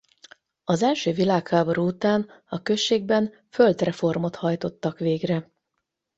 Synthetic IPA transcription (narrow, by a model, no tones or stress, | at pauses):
ɒzɛlʃøːvilaːkhaːbo̞ɾuut̪aːnɒkøʃːeːɡ̚bɛn | fø̞ld̪rɛfo̞rmo̞t̪hɒjt̪o̞t̪ːɒkʋeːɡrɛ